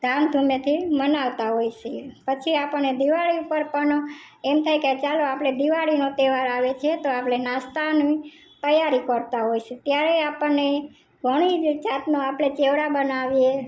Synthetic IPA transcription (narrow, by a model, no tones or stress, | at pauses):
d̪amd̪ʱumet̪ʰimənaʋt̪aɦojsepət͡ʃʰiapəned̪iʋaɭiupəɾpəɳ | emt̪ʰajkat͡ʃaloapɽed̪iʋaɭinot̪eʋaɾaʋet͡ʃʰet̪oapɽenast̪ani | t̪əjaɾikəɾt̪aɦojset̪jaɾeapənːe | ɡʱəɽ̃id͡ʒd͡ʒat̪noapɽ̃et͡ʃeʋɽabənaʋije